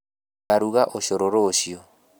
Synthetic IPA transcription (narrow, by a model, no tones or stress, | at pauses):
aɾuɣaʔoɕoɾoɾoɕio